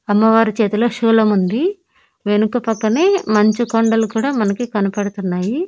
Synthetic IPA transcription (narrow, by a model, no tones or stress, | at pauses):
ɐmːɐʋaːɾit͡ʃɛːt̪ɐloːʃuːlɐmund̪i | ʋe̞nukɐpɐkːɐneːmɐɲt͡ʃikoɳɖɐlukuːɽaːmɐnɐkikɐnɐpɐɽut̪unːaːji